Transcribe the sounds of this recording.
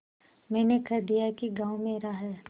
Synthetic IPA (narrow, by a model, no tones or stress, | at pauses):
mɛ̃ːnekɐɾd̪ijakiɡãːwmẽɾaɦɛː